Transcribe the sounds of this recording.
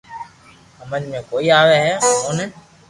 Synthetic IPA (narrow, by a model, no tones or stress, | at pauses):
əmə̃ɲmẽːkoːiːaːʋeːɦɛːɦoːnə